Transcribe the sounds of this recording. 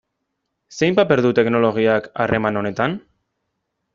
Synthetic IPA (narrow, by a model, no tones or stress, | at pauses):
se̞jmpape̞ɾðut̪e̞kno̞lo̞ɣ̞iaka̰rʔe̞mano̞ne̞t̪an